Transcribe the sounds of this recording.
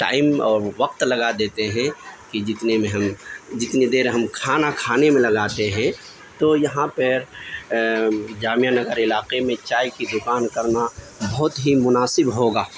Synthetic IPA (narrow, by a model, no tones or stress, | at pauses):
ʈa̰ːɪmɔːɾʋɐqt̪lɐɡad̪eːt̪eɦɛ̃kid͡ʒɪt̪nemẽɦɐmd͡ʒɪt̪nid̪eːɾɦɐmkʰaːnakʰaːnemẽlɐɡaːt̪eɦɛ̃ | t̪ojɐɦãpəɾ | d͡ʒaːmijanəɡəɾɪlaːqemẽt͡ʃaːikid̪ʊkaːnkɐɾna | bɐɦʊt̪ɦimʊnaːsɪbɦoːɡaː